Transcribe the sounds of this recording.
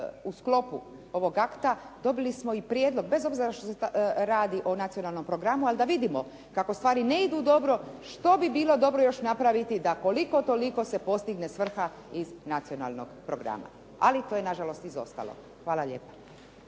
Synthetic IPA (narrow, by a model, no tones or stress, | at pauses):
usklo̞pu | o̞ʋo̞ɡakt̪ad̪o̞bilismo̞ipɾjed̪lo̞ɡbe̞zo̞bziɾaʃt̪oseɾaːd̪iʔonat̪sijo̞nalˠno̞mpɾo̞ɡɾamualid̪aʋid̪imo̞ | kakost̪ʋaːɾine̞id̪uːd̪o̞bɾo̞ʃt̪o̞bibiːlˠo̞d̪o̞bɾojo̞ʃnapɾaʋit̪id̪ako̞liko̞t̪o̞liko̞se̞po̞st̪iɡnesʋr̩xa | iznat̪sio̞na̰lˠno̞̰ɡpɾoɡɾa̰ma̰ | a̰lit̪ojenaʒalo̞st̪izo̞̰st̪a̰lo̰ | xʋaːlˠaʎe̞ːpḁ